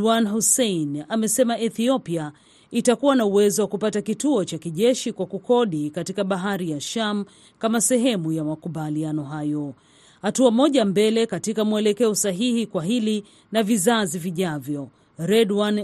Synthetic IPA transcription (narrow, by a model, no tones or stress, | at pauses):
wanhusɛinamɛsɛmaʔɛθiɔpia | itakuwanauwɛzɔwakupatakituɔt͡ʃakiʄɛʃikwakukɔɗikatikaɓaɦaɾijaʃam | kamasɛɦɛmujamakuɓalianɔɦajɔ | hatuamɔʄambɛlɛkatikamuɛlɛkɛɔsaɦihikwaɦili | navizaziviʄavjɔ | ɾɛdwan